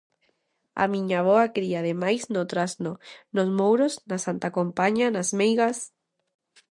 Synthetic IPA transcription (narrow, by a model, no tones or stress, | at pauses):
a̰mĩɲaβ̞oakɾiaðemajznot̪ɾaznonozmowɾoznasant̪akompaɲanazmejɣas